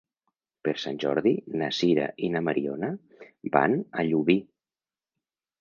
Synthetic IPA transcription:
peɾsanʲʒɔ̰ɾðinasiɾa̰ʔinamaɾiɔnə | ba̰na̰ʎuβi

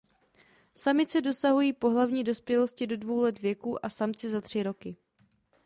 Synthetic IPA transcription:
samɪt͡sɛdo̞saɦujiːpo̞ɦlavɲiːdo̞spjɛlo̞scɪdo̞dvo̞wlɛt̪vjɛkuːʔasamt͡sɪzat̪r̝̥ɪɾo̞kɪ

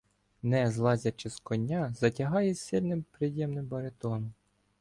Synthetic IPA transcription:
nɛzlˠɑzʲɐt͡ʃɪskɔnʲːɑzɐtʲɐɦɑjɛsʲɪlʲnɪmpɾɪjjɛmnɪmbɐɾet̪ɔnɔm

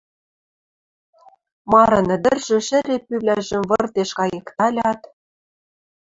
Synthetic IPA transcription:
mɑɾɤ̆nɘ̆d̪ɘ̆rʒ̥ɘ̆ʃɘ̆ɾepyβlʲæʒɘ̆mvɤ̆rt̪eʃkɑjekt̪ɑlʲɑt̪

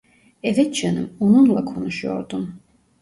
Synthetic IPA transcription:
ɛvɛt̪t͡ʃʰɛnɨ̰mununlˠakʰɔnuʃujɔ̰ɾd̪um

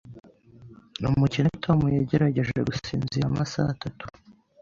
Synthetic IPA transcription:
numucintʰomujeɟe̞ɾaɟe̞ʒe̞̰ɡusiːnziamasa̰tatu̥

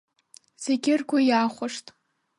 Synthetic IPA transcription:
z̥eɡʲɪrkʷʰajaχʷʊʂtʼ

